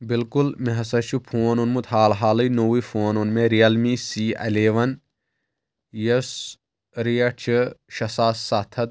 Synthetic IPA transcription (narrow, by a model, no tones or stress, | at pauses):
bilkulmeɦɐsɐt͡ʃʰupʰoːnunmut̪ɦaːlɦaːlɐjnowifʰoːnunmẽɾijɐlmisiːɐ̰leːʋɐn | jɐs | ɾijɐt͡ʃʰɐʃɐsaːsːat̪ʰɐt̪̚